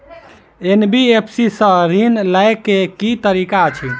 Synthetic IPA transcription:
enbiepʰsisə̃ɾinlajkekit̪əɾikat͡ʃʰi

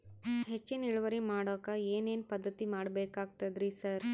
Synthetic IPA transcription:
ɦet͡ʃːiniɭuʋɐɾimaːɽoːkaeːne̞ːnpɐd̪ːɐt̪imaːɽbeːkaːɡ̚t̪ɐd̪ɾisɐɾ

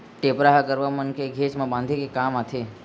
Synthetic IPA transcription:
ʈepɾaɦkəɾʋamənkeɡʱet͡ʃmãbãnd̪ʱekekamat̪ʰe

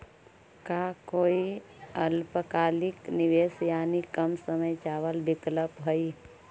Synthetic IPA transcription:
kakoːiəlpəkaːlɪknɪʋeːsjaːnikəmsəməjt͡ʃaːʋəlbɪkləpɦoi

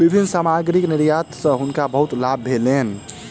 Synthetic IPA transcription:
bibʱinːsamaɡɾikniɾjat̪sə̃ɦunkabəɦut̪lab̚ːʱelen

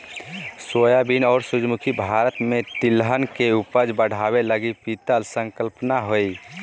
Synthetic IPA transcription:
sojabinɔːɾsud͡ʒmukʰibʱaɾət̪met̪ilɦənkeupəd͡ʒbəɽ̤abeləɡipit̪əlsə̃ŋkəlpnaɦoi

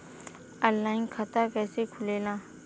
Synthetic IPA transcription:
əlːaːɪnkʰɐt̪akɛːsekʰʊleːlãː

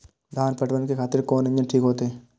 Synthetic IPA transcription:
d̪ʱaːnpɐʈbənkekʰaːt̪ɪɾkoːnɐ̃ɲd͡ʒənʈʰiːkɦoːt̪eɦɛː

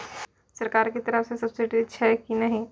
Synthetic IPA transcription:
sɐɾkaːɾkit̪ɐɾəfsesɐbsɪʈit͡ʃʰɛkinɐɦĩ

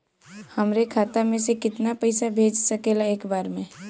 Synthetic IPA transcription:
hɐmɾekʰaːt̪amẽsekɪt̪napɛɪsabʱeːd͡ʒsəkeːlaeːkbaːɾmẽ

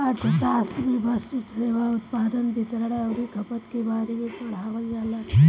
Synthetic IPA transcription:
aɾt̪ʰət̪aːst̪ɾibʱəsut̪seʋaut̪paːd̪ənbit̪ɾəɽaəʋɾikʰəpət̪kebaɾemepəɽ̤aːʋəld͡ʒala

